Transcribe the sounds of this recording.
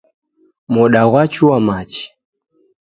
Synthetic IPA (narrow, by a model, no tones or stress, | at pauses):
mɔɗaɣwat͡ʃuwamat͡ʃi̥